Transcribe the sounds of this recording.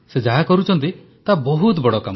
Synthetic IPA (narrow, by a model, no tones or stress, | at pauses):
sed͡ʒaɦakɔɾut͡ʃʰɔnt̪i | t̪abɔɦut̪bɔɽɔkam